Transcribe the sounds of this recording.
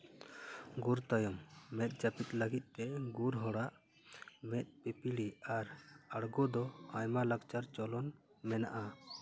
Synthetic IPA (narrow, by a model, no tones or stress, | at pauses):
ɡuɾt̪ajɔmːɛt̪̚ˀd͡ʒapit̪ləɡit̪̚ˀt̪ɛɡuɾɦɔɽaʔ | mɛt̪̚ˀpɛpiɽiaɾaɽɡɔd̪ɔajmalaɡt͡ʃaɾt͡ʃɔlɔn | mɛna̰ʔa